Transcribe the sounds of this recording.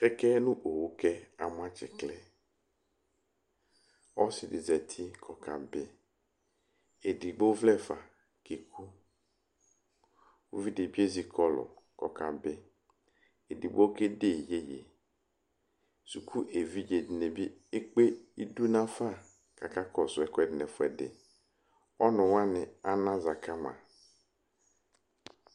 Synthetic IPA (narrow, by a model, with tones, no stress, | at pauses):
kɛ˦kɛ˦nʊ̃˦ʔo˨wo˦kɛ˦a˨mʊ˦a˦t͡ʃɪ̰˨klɛ˦ | ɔ˦sɪ˨dɪ˨zɛ˨t̪ʰi˦kʰɔ˨kʰa̰˨be˦ | e˨di˨ɡ͡bo˦vlɛ˦˨fa̰˨ | ke˨kʰu˦ | wo˦vi˦dɪ˨bi˦e˦zi˨kʰɔ˦lʊ̰˨kɔ̰˨ka˨be˦ | e˨di˨bo˦ke˦de˦˨je˦jḛ˨ | su˨kʰu˦ʔe˨vi˦d͡ʒe˨dɪ˨ne˨bi˦ | e˦k͡pe˦i˦du˦nã˦fa˦˨ | kʰa˨ka˦kʰɔ˨sʊ˨ɛ˨kɛ˨dɪ˨nɛ̃˨fʊ˦ɛ˨dɪ̰˨ | ɔ˦nʊ̃˨wã˦nɪ̃˨a˦nã˦za˨kʰa˦mã̰˨